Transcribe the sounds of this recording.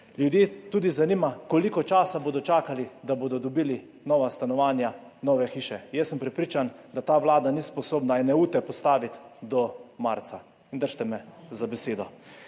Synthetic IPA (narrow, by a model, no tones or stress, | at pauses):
ljud̪jeːt̪uːd̪izanimakɔlikɔt͡ʃaːsaboːd̪ɔt͡ʃaːkalid̪aboːd̪ɔd̪ɔbiːli | nɔːʋast̪anɔʋaːnjanɔʋɛxiːʃɛjɛsːəmpɾɛpɾiːt͡ʃand̪at̪aːʋlaːd̪anispɔsoːbnainːɛuːt̪ɛpɔst̪aːʋit̪d̪ɔmaɾt̪sa | ind̪əɾʃt̪ɛmɛzabɛseːd̪ɔ